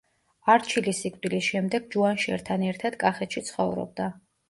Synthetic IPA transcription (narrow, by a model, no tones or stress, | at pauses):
aɾt͡ʃʰilisikʼvd̪ilisʃɛmd̪ɛɡ̥̚d͡ʒuanʃɛ̰ɾt̪ʰanɛɾt̪ʰad̪̥kʼaχɛt̪ʃit̪sʰχɔvɾɔ̰b̚d̪a